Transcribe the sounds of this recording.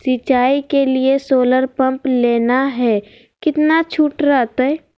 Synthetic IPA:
sit͡ʃaːikeliesoːləɾpə̃mpleːnaɦɛː | kɪt̪nat͡ʃʰuːʈɾat̪əɛ

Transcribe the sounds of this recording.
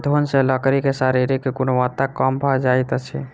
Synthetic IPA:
d̪ʱonseləkɾikesaɾiɾikekonoʋat̪ːakəmbʱəd͡ʒajt̪t͡ʃʰɛ̰

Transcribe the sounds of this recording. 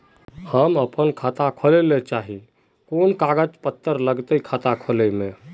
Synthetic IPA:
həməpənkʰat̪akʰolelet͡ʃaɦi | konkaɡəd͡ʒpət̪ːəɾləɡt̪əikʰat̪akʰolemẽ

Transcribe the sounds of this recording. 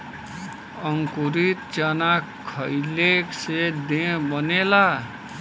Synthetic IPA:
əŋkuɾit̪̚t͡ʃənakʰəjleksed̪eɦbənela

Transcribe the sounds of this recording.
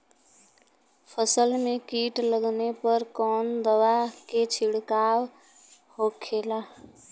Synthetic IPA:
pʰəsəlmekiʈləɡnepəɾkɔnd̪əwaket͡ʃʰiɽkaw | hokʰela

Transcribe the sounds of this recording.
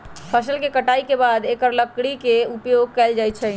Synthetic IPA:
pʰəsəlkekəʈaːikebaːd̪ekəɾləkɽikeupjoɡ̚kɛːld͡ʒajt̪t͡ʃʰə

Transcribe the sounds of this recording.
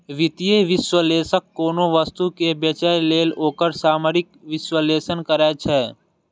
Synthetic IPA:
ʋɪt̪ijeʋɪswəleːsəkːoːnoʋəst̪ukebət͡ʃaleːloːkəɾsaːməɾɪkʋɪʃwəleːsənkəɾɛːt͡ʃʰɛː

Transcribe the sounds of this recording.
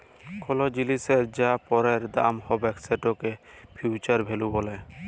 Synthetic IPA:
kʰɔlɔd͡ʒiliseɾd͡ʒapɔɾeɾd̪a̰mhɔbɛkseʈɔkepʰjut͡ʃaɾbʱelubɔlɛ

